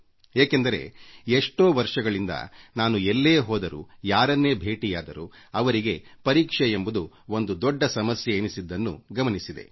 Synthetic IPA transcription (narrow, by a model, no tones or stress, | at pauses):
eːkend̪ɐɾe̞̰eʂʈoːʋɐɾʂɐɡɐɭind̪ɐ̰naːnuelːeːɦɔːd̪ɐɾṵjaːɾɐnːeːbʱe̞ːʈijaːd̪ɐɾu | ɐʋɐɾiɡe̞pɐɾiːkʂeembud̪u | o̞nd̪ud̪ɔɖːɐsɐmɐsjeːnisid̪ːɐnːṵɡɐmɐnisid̪e̞̰